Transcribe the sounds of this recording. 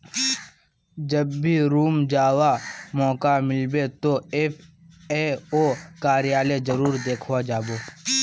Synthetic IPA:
d͡ʒəbːʱiɾuːmd͡ʒaːwamɔːkamɪlbet̪oe | eoːkaːɾɪjaːled͡ʒəɾuːɾd̪eːkʰʋad͡ʒaːboː

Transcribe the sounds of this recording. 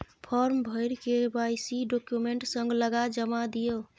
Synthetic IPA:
pʰɔɾmbʱəɪɾkebajsiɖokjumeɳʈsə̃ŋɡləɡad͡ʒəmad̪ijo

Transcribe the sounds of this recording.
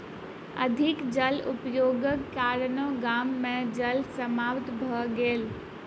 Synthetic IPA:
ɐd̪ʱɪkd͡ʒəlʊpjoːɡəkːaːɾnõɡaːmːẽd͡ʒəlsəmaːʋt̪bʱəɡeːl

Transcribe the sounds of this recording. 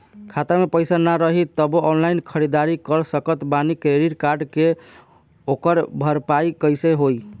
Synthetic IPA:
kʰat̪əmepəjsanaɾəɦit̪əboʔɔnlajnkʰəɾid̪aɾikəɾsəkət̪banikɾeɾiʈkaɾɖke | okəɾbʱəɾpajkəjseɦoj

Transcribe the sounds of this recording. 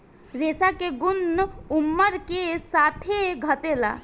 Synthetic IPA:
ɾesakeɡʊnumːəɾkesat̪ʰeɡʱət̪ela̰

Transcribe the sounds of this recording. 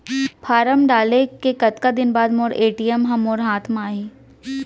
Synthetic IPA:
pʰaːɾəmɖaːlekekɐt̪kad̪ɪnbaːd̪moːɾeːʈijəmɦɐmoːɾɦaːt̪ʰmaːɦiː

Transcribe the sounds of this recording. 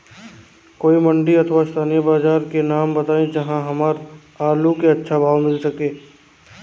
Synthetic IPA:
koːimɐ̃ɳɖiɐt̪ʰʋast̪ʰaːnijəbaːzaːɾkenaːmbɐt̪aːẽd͡ʒɐɦãɦɐmaːɾ | aːlukeɐtːʃʰabʱaːʋmɪlsɐkeː

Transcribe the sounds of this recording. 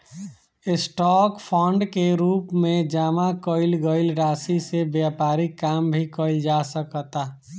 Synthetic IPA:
esʈɔkpʰɔɳɖkeɾuːpmẽd͡ʒaːmakəɪlɡəɪlɾasisebjapaɾikːambʱikəld͡ʒasəkət̪a

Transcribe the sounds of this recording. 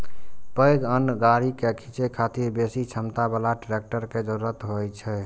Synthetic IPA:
pəjɡənɡaɾikekʰit͡ʃekʰat̪iɾbesit͡ʃʰəmt̪abəlaʈɾek̚ʈəɾked͡ʒəɾuɾət̪ɦojt͡ʃʰɛ

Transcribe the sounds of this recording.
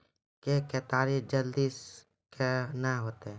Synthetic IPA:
kekeːt̪aːɾed͡ʒəld̪is | kʰenaɦoːt̪eɛ̃

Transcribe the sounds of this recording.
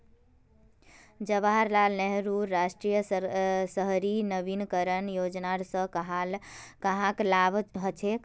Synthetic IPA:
d͡ʒəbaɦaɾlalneɦɾuɾːaʃʈɾijəsəɦɾinəbinkəɾənjod͡ʒnaɾsə̃ɦalkəɦãklabɦət͡ʃʰek

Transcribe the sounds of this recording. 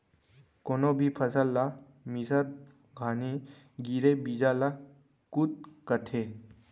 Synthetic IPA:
konobʱipʰəsəlːa | misət̪̚ | ɡʱaːni | ɡiɾebid͡ʒaːla | kut̪̚kət̪ʰe

